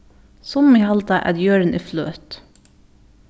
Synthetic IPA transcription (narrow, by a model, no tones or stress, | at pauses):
sɔmmihɑlt̪ɑʔæ̰d̪jøːɾənʔeːflø̰ːt̪